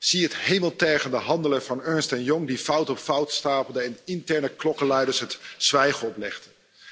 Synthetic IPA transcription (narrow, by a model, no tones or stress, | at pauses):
z̥iɦətɦejməlˠtɛːχəndəɦɑndələvɑnøːɹnstɛnjɔŋdifʌwtɔpfʌwtstaːpl̩ˠdəɛnɪntɛɹnəklɔkəlɛjdəɹsɦətsʋɛjχəɔplɛχdə